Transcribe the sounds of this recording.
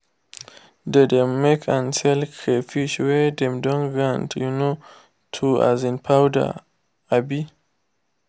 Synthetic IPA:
dɛdɛ̃mːekʰãnsɛlkʰefiʃwɛdɛ̃mdɔ̃nɡɹãntʰjuno | tʰua̰zĩnpʰawda̰ | abi

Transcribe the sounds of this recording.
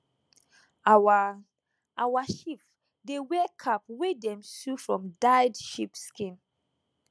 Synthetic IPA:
awaʃip | dewɛkʰapwedɛ̃msufɹɔ̰̃mdaɪdʃipskĩn

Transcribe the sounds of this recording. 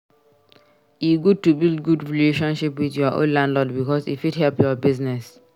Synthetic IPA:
juɡud̚tubild̚ɡudɹileʃɔ̃nʃipwiθjɔʔõ̰nlãndlɔdbikɔsḭfidhɛlpjɔbiznɛs

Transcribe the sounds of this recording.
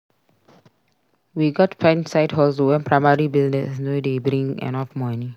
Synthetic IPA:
wiɡɔtpʰɛ̃nsaɪdɦɔlsuwɛ̃npʰɹaɪmaɹibiznɛsnodebɾĩŋɛ̰nɔfmɔni

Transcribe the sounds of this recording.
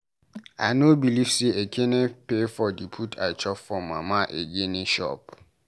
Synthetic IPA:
a̰ɪnobiliv̥seekʰenepefɔdipʰutʰa̰ɪt͡ʃɔffɔmamaʔeɡenẽʃɔ̰p̚

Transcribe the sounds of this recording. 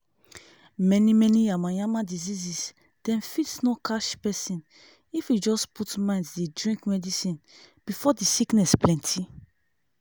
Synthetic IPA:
mɛnimɛniamãjãmãdizizis | d̥ɛ̃nfitsnɔkʰaʃpɛsĩn | ifid͡ʒɔsputmãɪ̃ndsdedɹĩŋkmɛdisĩnb̥ifɔdisiknɛsplɛ̃ntʰi

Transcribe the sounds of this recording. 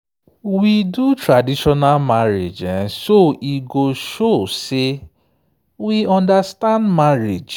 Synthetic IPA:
widutɾadiʃɔnalmaɾḛd͡ʒɛ̃nsoʔiɡoʃose | wiɔ̃ndastãndmaɾed͡ʒ

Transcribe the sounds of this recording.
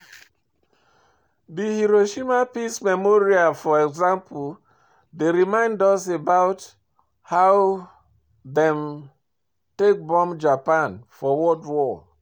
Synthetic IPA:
dihiɾoʃimapismɛmoɹiafɔɛkzãmpʰul | deɾimãɪ̃ndɔsebaʊt | haʊw | dɛ̃m | tek̚bɔ̃md͡ʒapãnfɔwɔtwɔ

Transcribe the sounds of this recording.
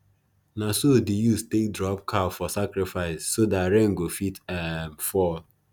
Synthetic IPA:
nasodujustek̚dɹɔp̚kʰafɔsakɾɪfaɪssodaɾẽŋ̩ɡofitamfɔl

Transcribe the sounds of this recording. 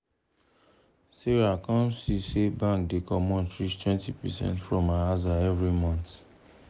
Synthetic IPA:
seɹakãnsisebãŋkdekɔmɔ̃ntɹit͡ʃtwɛ̃ntipɛsɛ̰̃ntfɹɔ̃maazaɛvɹimɔ̃nt

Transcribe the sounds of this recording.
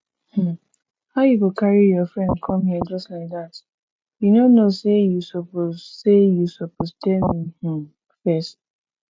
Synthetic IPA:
h̩ | haʊjukokʰaɹijɔfɹɛ̃ndkʰɔ̃mhiəd͡ʒʌstlaɪk̚ðat | junonosejusopozsejusopostɛmih̩ | fɛst

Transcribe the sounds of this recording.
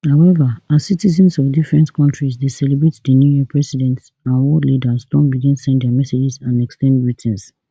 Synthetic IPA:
hawɛvaassitizɛ̃nsɔvdifɹɛ̃ntkʰɔ̃ntɹisdesɛlebɹetdənjujɛpʰɹɛsidɛ̃nt | ãnɔdlidasdɔ̃nbidĩnsɛ̃nddɛmɛsed͡ʒisãnɛkstɛ̃ndɹitʰɛ̃ns

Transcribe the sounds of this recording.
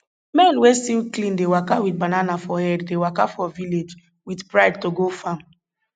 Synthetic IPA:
mɛ̃nwestilklĩndewakawitbananafɔhɛddewakafɔviled͡ʒ | widpɹaɪd̚toɡofãm

